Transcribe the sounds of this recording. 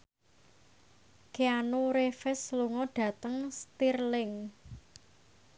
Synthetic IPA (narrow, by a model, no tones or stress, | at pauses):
keanuɾefɛsluŋɔɖ̥ä̤t̪əŋst̪irlɪŋ